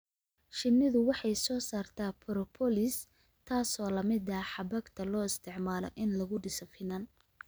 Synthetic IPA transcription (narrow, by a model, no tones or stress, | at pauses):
ʃɪnːɪðʊwɑħɑjsɔːsaːrt̪ʰaːpʰɔɾɔpʰɔlɪs | t̪ʰaːsɔːlɐmɪd̪ɐħɑbɐɡt̪ʰɐlɔːɪst̪ʰɪʕmaːlɔ̰ʔɪnlɐɣʊɖɪsɔfɪnɐn